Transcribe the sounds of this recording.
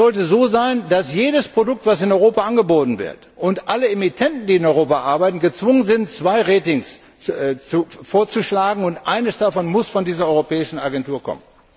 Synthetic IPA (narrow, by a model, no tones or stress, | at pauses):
zɔltəzoːzaɪndasjeːdəspʁ̥odʊk̚tv̥as̬ɪnɔʏʁoːpaʔanɡəboːtn̩vɪ̰ɐt | ʔʊntʔaləemitʰɛntn̩diːɪnɔʏʁoːpaʔaɐbaɪtn̩ɡət͡sv̥ʊŋənzɪnt͡sv̥aɪʁeːtɪŋs | t͡sufoːɐt͡suʃlaːɡŋ̩ʊntʔaɪnəsd̥afɔnmʊsfɔndiːzɐɔʏʁopɛːɪʃn̩aɡɛntuːɐkʰɔ̰mən